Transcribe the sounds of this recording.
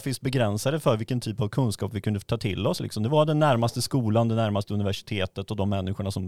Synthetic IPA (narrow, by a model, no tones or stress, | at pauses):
fɪsbɛɡɾɛnsad̪əfœɾvɪlkːənt̪ʰyːpavkʰɵnskɑːpvɪkʰɵnd̪ət̪ʰɑːt̪ʰɪ̰lːɔslɪ̰ksɔmd̪ɛvad̪ɛnːæɾmast̪əskuːland̪ɛnæɾmast̪əɵnɪvæʂɪ̥t̪ʰeːt̪ət̪ɔd̪ɔmːɛnːɪɧʊɳasɔm